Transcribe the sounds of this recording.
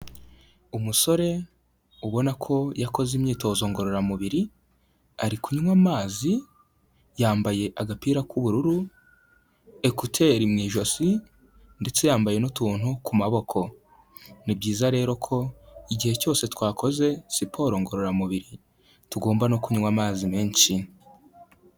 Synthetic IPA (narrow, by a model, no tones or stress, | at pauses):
umuso̞ɾe̞ | uβo̞nakʰo̞jako̞zimɲiːto̞ːzo̞ŋɡo̞ɾo̞ɾamuβiɾi | aɾikuɲuŋwamaːzi | jaːmbaje̞ʔaɡapiːɾakuβuɾuɾu | e̞kutʰe̞ːɾimŋiːʒo̞si | nde̞t͡se̞jaːmbaje̞notuːn̥hukumaβo̞kʰo̞ | nibɟiːzaɾe̞ːɾo̞kʰo̞iɟihe̞co̞ːse̞twaːkʰo̞ze̞sipʰo̞ːɾo̞ŋɡo̞ɾo̞ɾamuβiɾi | tuɡo̞ːmbano̞kuɲuŋwamaːzimeːnsi